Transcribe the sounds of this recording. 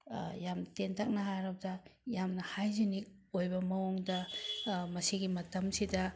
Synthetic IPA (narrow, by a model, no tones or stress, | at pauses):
jamtentʰak̚nɐɦaɾɐb̚dɐjamnɐhajzinik̚ojbɐmɐoŋdɐ | mɐsiɡimɐtɐmsidɐ